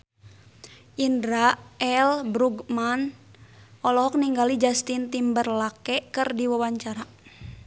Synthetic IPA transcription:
ʔindɾaɛlbɾuɡman | ʔɔlɔɦɔk̚niŋɡalid͡ʒast̪int̪imbərlakɛkɨrdiwawaɲt͡ʃaɾa

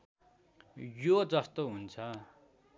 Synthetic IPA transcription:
jod͡zʌst̪oɦunt͡sʰʌ

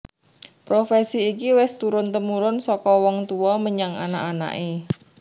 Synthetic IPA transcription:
pɾofɛsiːkiwɛst̪uɾʊnt̪əmuɾʊnsɔkɔwɔŋt̪uɔməɲaŋa̰na̰ʔana̰ʔe

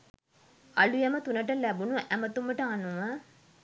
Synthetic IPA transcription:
ɐlujɛmɐt̪unɐʈɐlæbunuʔæmɐt̪umːəʈɐanuʋə

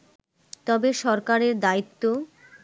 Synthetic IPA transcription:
t̪ɔbeʃɔɾkaɾeɾd̪ait̪ːo

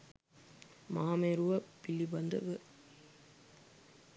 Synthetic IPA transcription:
maːmeɾuʋɐpɪlːibɐnd̪ɐ̰ʋɯ

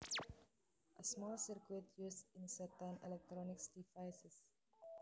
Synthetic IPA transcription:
ʔəsmɔlsiɾkwitjuːsĩnsətə̃nɛlɛk̚tɾɔnɪksdivaɪsəs

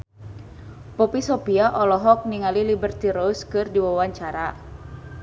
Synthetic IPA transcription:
pɔpisɔpiaʔɔlɔɦɔk̚niŋalilibərt̪iɾɔskɨrdiwawaɲt͡ʃaɾa

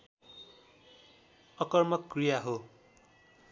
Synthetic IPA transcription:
ʌkʌrmʌkːrijaɦo

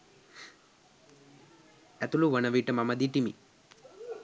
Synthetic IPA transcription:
ɛt̪uluʋɐnɐʋiʈɐmɐmɐd̪iʈimḭ

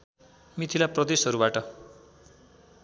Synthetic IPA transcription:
mit̪ʰilaprʌd̪esɦʌɾuβaʈʌ

